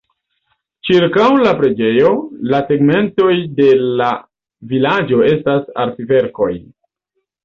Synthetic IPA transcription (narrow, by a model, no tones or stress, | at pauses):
t͡ʃiɾkawlapɾe̞d͡ʒe̞jo̞lase̞ɡme̞nto̞jde̞la | vilad͡ʒo̞e̞stasa̰ɾtive̞ɾko̞j